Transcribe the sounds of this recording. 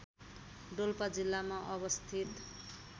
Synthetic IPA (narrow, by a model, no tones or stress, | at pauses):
ɖolpad͡zilːamaʔʌbʌst̪ʰit̪